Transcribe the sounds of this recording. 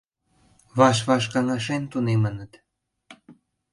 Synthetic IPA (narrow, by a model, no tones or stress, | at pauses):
βɑʃ̬βɑʃkɑŋɑʃent̪unemənət̪